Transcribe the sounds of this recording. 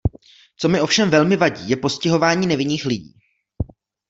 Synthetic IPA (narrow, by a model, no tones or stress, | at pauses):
t͡so̞mɪʔo̞fʃɛmvɛlmɪvaɟiːjɛpo̞scɪɦo̞vaːɲiːnɛvɪniːxlɪɟḭː